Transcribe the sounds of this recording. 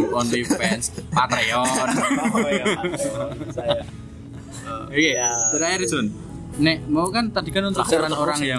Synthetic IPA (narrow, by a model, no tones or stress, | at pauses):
pɔndipɛnspat̪eɔn | keəɾaaɾid̪ʊn | nemawkant̪ad̪̥i̤kanunt̪ʊksaɾanoɾaŋja